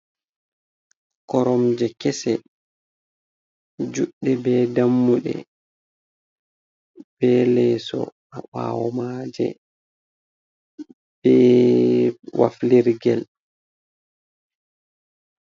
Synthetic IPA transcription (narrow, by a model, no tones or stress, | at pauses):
kɔɾɔmd͡ʒɛkɛsɛ | d͡ʒuɗːɛbɛːdamːuɗɛ̰ | b̥ɛlɛsɔ̰ | aɓa̰ːwɔmaːd͡ʒɛ̰ | b̥ɛ | wa̰fliɾɡɛl